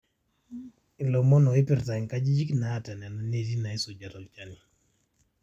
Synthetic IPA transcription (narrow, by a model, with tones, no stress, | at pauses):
ɪ˨lɔ˨mɔ˦nɔ˨ɪ˦pɪ˨ɾta˨ŋka˦d͡ʒi˦d͡ʒi˦knaː˨ta˨nɛ˨nɔ˦ne˨di˦na˨i˦so˨d͡ʒa˨ɾɔ˨lt͡ʃa˦ni˨